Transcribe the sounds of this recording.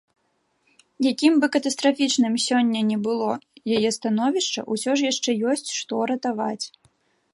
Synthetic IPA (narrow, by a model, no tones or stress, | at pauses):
jakʲimbɨkɐt̪ɐst̪ɾafʲit͡ʂnɨmsʲɔnʲːɐnʲɛbɨlˠɔjajɛst̪anɔvʲiʂt͡ʂɐ̰ʔusʲɔʐjaʂt͡ʂɛjɔsʲt͡sʲʂt̪ɔɾɐt̪avat͡sʲ